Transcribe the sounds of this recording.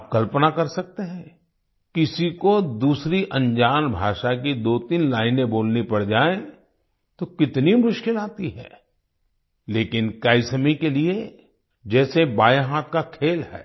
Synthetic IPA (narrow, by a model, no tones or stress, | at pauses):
p̚kɐlpnakɐɾsɐk̚t̪eɦɛ̃ | kɪsikod̪uːsɾiʔɐ̃ɲd͡ʒaːnbʱaːʃak̬id̪oːt̪iːnlaːɪnẽboːlnipɐɽd͡ʒaːẽ | t̪okɪt̪nimʊʃkɪlaːt̪iɦɛ̰ː | leːkɪnkaːɪsəmikelie | d͡ʒɛːsebaːjɦaːt̪̚kakʰeːlɦɛ̰ː